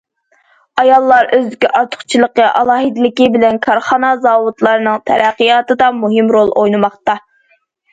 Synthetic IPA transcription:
ɑjɑlˠːɑɾʔøzkʲiʔɑɾt̪ʰʊ̥χt͡ʃʰilˠəqːəʔɑ̰lˠɑːɦɨd̪ɪlɪkʲɪbɪlɛnkʰɑɾχɑnɑzɑːwut̪lˠɑɾɨnɨŋt̪ʰɛ̰ɾæqːijɑːt̪ɨd̪ɑmuɦɪmɾolˠojnɨmɑχt̪ɑ

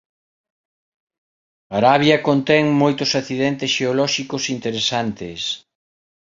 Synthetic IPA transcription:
aɾaβjɐkont̪ɛŋmojt̪ʊsaθiðɛnt̪esʃeolɔʃikʊsint̪eɾesant̪es

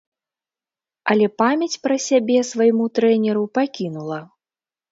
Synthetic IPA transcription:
ɐlʲɛpamʲjɐt͡sʲpɾɐsʲabʲɛsvajmut̪ɾɛnʲɛɾupakʲinulˠɐ

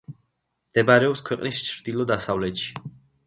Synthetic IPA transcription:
md̪̥ɛbaɾɛɔpskʰwɛqʼnist͡ʃʰɾd̪̥ilˠɔd̪asavlɛt̪ʃi̥

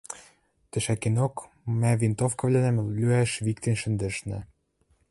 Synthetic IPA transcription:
t̪ɘ̆ʃækenok | mævint̪ofkɤ̆vlʲænæmlyæʃβikt̪ĕnʃɘ̆nd̪ɘ̆ʃnɘ̆

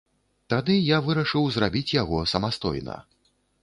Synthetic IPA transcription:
t̪ad̪ɨjavɨɾɐʂɨwzrabʲit͡sʲjaɣɔsɐmast̪ɔ̰jnɐ̰

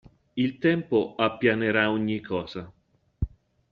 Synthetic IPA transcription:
ilt̪ɛmpoapːjaneɾaoɲːikʰɔːza

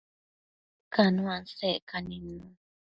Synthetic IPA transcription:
kanũansekanĩnːũ

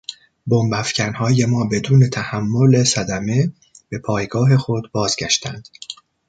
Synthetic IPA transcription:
bo̞mbæfcʰænhɒːje̞mɒːbe̞d̪uːne̞t̪ʰæhæmːo̞le̞sæd̪æme̞ | b̥e̞pʰɒːjɡɒːɦe̞xo̞d̪bɒːzɟæʃt̪ʰæ̰nd̪̥

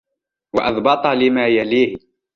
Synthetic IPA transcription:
wɑʔɑðˤbɑt̪ˤɑlɪmaːjaliːh

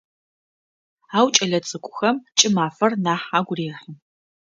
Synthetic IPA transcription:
aːwt͡ʃʼɐɮɐt͡sʼɨkʷʼʊxɐmt͡ʃʼɪmaːfɐrnaːħaːɡʷʊreːχiː

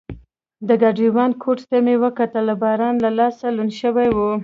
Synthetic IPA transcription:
d̪əɡaɖiwɑnkʰoʈt̪əmewəkat̪əlabɑɾɑnlalɑsalunʃəwajwu

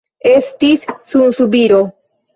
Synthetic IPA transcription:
e̞stissunsubiɾo̞

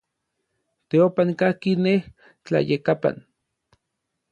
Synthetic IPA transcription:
t̪eopankahkineh | t͡ɬa̰jekapa̰n

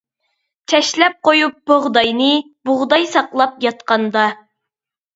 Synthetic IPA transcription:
t͡ʃʰɛʃlɛp̚qojup̚boʁd̪ɑjnɨ | boʁd̪ɑjsɑqlˠɑp̚jɑt̪qɑnd̪ɑ

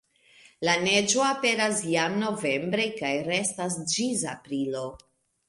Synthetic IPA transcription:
lane̞d͡ʒo̞ape̞ɾasjamno̞ve̞mbɾe̞jkajɾe̞stas̬d͡ʒizapɾilo̞

